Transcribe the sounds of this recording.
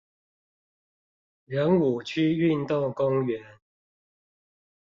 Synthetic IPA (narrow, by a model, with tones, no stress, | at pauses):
ɻə˨˦nu˨˩t͡ɕʰy˦y˥˨nt̪o˥˨ŋkʊ˦ŋɥɛ˨˦n